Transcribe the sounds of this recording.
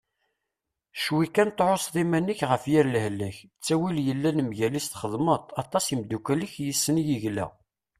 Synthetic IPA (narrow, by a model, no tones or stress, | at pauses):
ʃwikænt̪ʕosðˤimænːəçʁəfjiɾlhlːæçt͡sːæwiljəlːænəmʝælist̪χəðˤmət̪ˤɑt̪ˤɑsimd̪ukæləçjisːənjəʝlæ̰